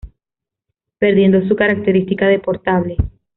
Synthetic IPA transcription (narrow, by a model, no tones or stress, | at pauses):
pe̞ɾðje̞nd̪os̬ukaɾak̚t̪e̞ɾist̪ikaðe̞po̞ɾt̪aβle̞